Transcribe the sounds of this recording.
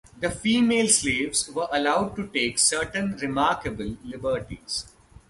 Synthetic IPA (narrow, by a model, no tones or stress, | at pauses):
d̪əfiːmeːlsleːʋzʋəɾʔɐlaʊɖ̚ʈuʈeːksəːɾʈə̃nɾɪmaːɾkəbəlːɪbəɾʈḭz̥